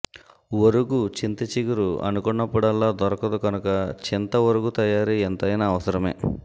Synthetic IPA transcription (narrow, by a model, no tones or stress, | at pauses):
ʋoɾuɡut͡ʃint̪ɐt͡ʃiɡuɾuɐ̰nukɔɳːɐpːuɽɐlːaːd̪ɔɾɐkɐd̪uɡɐnukɐt͡ʃint̪ɐʋɐɾuɡut̪ɐjaːɾient̪ɐjnɐːʋɐsɐɾɐmḛː